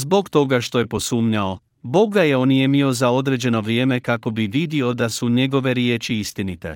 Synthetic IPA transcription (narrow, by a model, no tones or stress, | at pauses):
zbo̞kt̪o̞ɡaʃt̪o̞je̞po̞suːmɲao̞ | bo̞ɡɡajeonijemio̞zao̞d̪ɾe̞d͡ʑe̞no̞ʋɾije̞ːme̞kako̞biʋid̪io̞d̪asuɲe̞ɡo̞ʋe̞ɾjeːt͡ʃiist̪init̪e̞̰